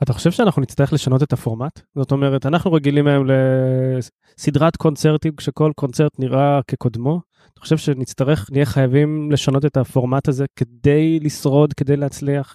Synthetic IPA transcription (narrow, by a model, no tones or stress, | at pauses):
at̪aχo̞ʃe̞v̥ʃeanaχnunit͡st̪aʁele̞ʃano̞te̞tafo̞ʁmatz̥o̞t̪o̞meʁetanaχnuʁeɡilimeemle̞ | sidʁatko̞nt͡seʁt̪imkʃeko̞lko̞nt͡seʁt̪niʁʔake̞kod̪mo̞ | at̪ḁχo̞ʃe̞vʃe̞nit͡st̪aʁe̞χnijeχajavimle̞ʃano̞te̞tafo̞ʁmataze̞ke̞d̪e̞jlisʁo̞dke̞d̪e̞jleːt͡sliaχ